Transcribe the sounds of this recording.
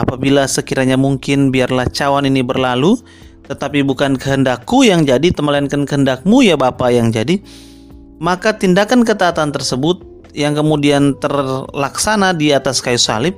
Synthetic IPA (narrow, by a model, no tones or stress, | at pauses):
apabilasəkiɾaɲamuŋkɪnbiarlaht͡ʃawaninibərlalu | t̪ət̪apibukankəɦəndakːujaŋd͡ʒadit̪əməlankənkəɦəndak̚mujabapajaŋd͡ʒadi | makat̪indakankət̪aːt̪ant̪ərsəbʊt̪̚ | jaŋkəmudiant̪ərlaksanadiat̪askajusa̰lɪp̚